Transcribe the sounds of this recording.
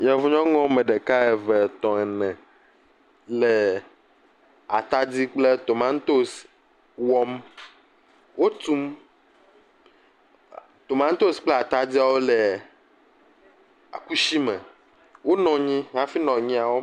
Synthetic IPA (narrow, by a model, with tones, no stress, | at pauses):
ɲɛ̃˨vu˦ɲɔ̃˦ŋɔ̃˦mɛ̃˨ɖe˨ka˦ɛ˨vɛ˨t̪ɔ̃˨ɛ˨nɛ̃˨ | lɛ˨ | a˨t̪a˦d͡zi˦k͡ple˦t̪o˨mã˦n˦t̪o˦s | wɔ˦m | wo˦t̪u˦m | t̪o˨mã˦n˦t̪o˦sk͡ple˦a˨t̪a˦di˦a˨wo˦lɛ˨ | a̰˨ku˦ʃi˦mɛ̃˨ | wo˦nɔ̃˨ɲĩ˦ɦã˦fi˦nɔ̃˨ɲĩ˦a˨wo˦